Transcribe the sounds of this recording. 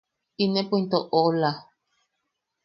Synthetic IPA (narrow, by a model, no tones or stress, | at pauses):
inẽpoint̪oʔola